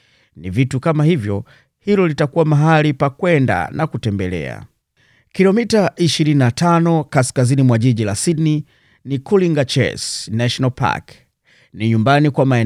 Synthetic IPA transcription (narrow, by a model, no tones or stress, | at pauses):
nivitukamahivjɔ | hilɔlitakuwamaɦalipakwɛnda̰nakutɛmbɛlɛ̰a̰ | kilɔmitaʔiʃiɾininatanɔkaskazinimwaʄiʄilasidni | nikuliŋɡat͡ʃɛ̰snaʃɔnalpa̰k | niɲumbanikwamaɛ